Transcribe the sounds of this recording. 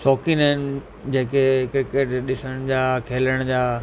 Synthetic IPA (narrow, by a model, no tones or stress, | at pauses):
sɔːkinaɪn | d͡ʑẽːkekɾɪkeːʈɗɪsəɽ̃d͡ʑaːkʰeːləɽ̃d͡ʑaː